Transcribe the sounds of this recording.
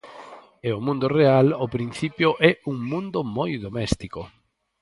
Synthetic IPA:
eʊmũnd̪ʊrealopɾin̟θipjʊʔɛuŋmũnd̪ʊmojðomɛst̪ikʊ

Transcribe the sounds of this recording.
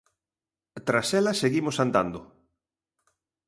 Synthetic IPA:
t̪ɾasɛlɐseɣimosand̪a̰nd̪ʊ

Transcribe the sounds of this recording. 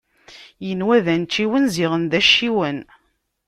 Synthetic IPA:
jənwæðænt͡ʃːiwənziʁənðæʃːiwən

